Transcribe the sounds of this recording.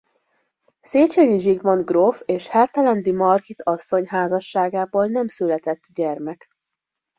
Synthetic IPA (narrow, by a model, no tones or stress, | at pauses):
seːt͡ʃeːɲiʒiɡmonɡrofeːʃhɛlt̪ɛlɛnd̪imɒrkit̪ʰɒsːo̞ɲɦaːzɒʃːaːɡaːboːlnɛmsylɛt̪ɛt̪ːɟɛrmɛk